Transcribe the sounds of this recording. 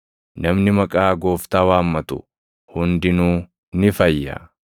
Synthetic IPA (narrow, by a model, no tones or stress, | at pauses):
nɐmnɪmɐkʼaːɡo̞ːft̪aːwaːmːɐt̪ʊ̰ | hʊnd̪ɪnuː | nɪfɐjːɐ̰